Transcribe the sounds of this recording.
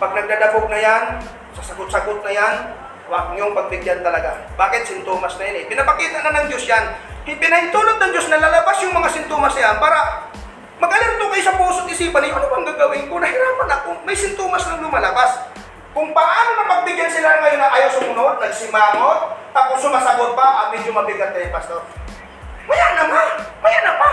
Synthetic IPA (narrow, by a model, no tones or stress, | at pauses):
pɐɡ̚nɐɡ̚d̪ad̪ɐboɡ̚nɐjan | sɐsɐɡot̪̚sɐɡot̪̚nɐjan | wakɲoŋpɐɡ̚bɪɡjant̪ɐlɐɡa̰ | baːkɪt̪̚sɪnt̪oːmɐsnɐjanɛpɪnɐpɐkiːt̪ɐnɐnɐŋd̪jo̞sjankɐpɪnɐhɪnt̪uːlod̪̚nɐŋd̪jo̞snɐlɐlɐbasjʊŋmɐŋasɪnt̪oːmɐsjanpaːɾɐ | mɐɡʔɐlamt̪okɐjosɐpuːsot̪ʔɪsiːpɐnɪjoʔɐnopɐŋɡaɡɐwɪŋkonɐhɪɾaːpɐnɐkʊmɐjsɪnt̪oːmɐsnɐŋlʊmalɐbas | kʊŋpɐʔaːnonɐmpɐɡ̚bɪɡjansɪlaŋɐjonɐʔajosɐmʊnot̪̚nɐɡsɪmaːmot̪̚t̪ːaːposʊmasɐɡot̪̚pɐʔɐmɛd͡ʒomɐbɪɡɐnk̪ɐjʊŋpɐst̪oɾ | mɐjanɐmamɐjaʔnɐma